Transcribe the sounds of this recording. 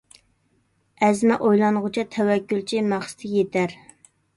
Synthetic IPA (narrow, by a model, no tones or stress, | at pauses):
ɛzmɛʔojlˠɑnʁʊt͡ʃʰɑt̪ʰɛwɛkʲːylt͡ʃʰimæχsɨ̥t̪ʰɪjet̪ʰæɾ